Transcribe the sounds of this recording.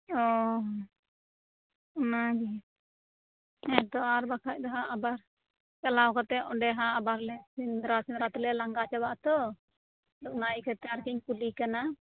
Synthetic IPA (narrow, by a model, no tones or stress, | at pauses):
ɔɦ | ɔnaɡɛ | ɛd̪ɔaɾbakʰac̚d̪aɦãːbaɾ | t͡ʃalawkat̪ɛɔɖɛɦãːbaɾlɛsind̪ɾasind̪ɾat̪ɔlɛlaŋɡat͡ʃabaʔt̪ɔ | d̪ɔʔ̚naikat̪ɛaɾkiɲpulikana